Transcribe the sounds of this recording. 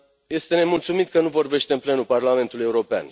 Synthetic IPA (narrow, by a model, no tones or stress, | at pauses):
je̞st̪e̞ne̞mult̪sumit̪kənuvo̞rbe̞ʃt̪eɨnple̞nuparlame̞nt̪uluje̞uɾo̞pea̰n